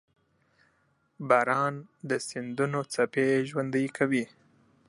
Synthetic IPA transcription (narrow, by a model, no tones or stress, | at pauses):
bɑɾɑnd̪əsɪnd̪unot͡sapeʒwand̪əjkʰawi